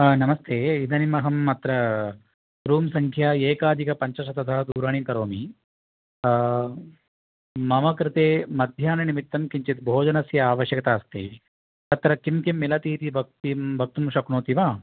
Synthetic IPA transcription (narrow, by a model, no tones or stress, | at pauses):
nɐmɐst̪ʰeːid̪ɐnimɐɦɐmːɐt̪ɾɐ | ɾuːmsɐŋkʰjaːeːkaːd̪ʱikɐpɐɲt͡ʃɐʂɐt̪ɐt̪ʰɐɦɐd̪uːɾaːɳikɐɾoːmi | mɐmɐkɾɪt̪eːmɐd̪ʱjaːnɐnimit̪ːɐmkiɲt͡ʃit̪bʱoːd͡ʒɐnɐsjɐaːʋɐʃjɐkɐt̪aːst̪ḛ | t̪ɐt̪ɾɐkimkimːilɐt̪iːt̪ibʱɐk̚t̪imbʱɐk̚t̪umʂɐknoːt̪iʋaː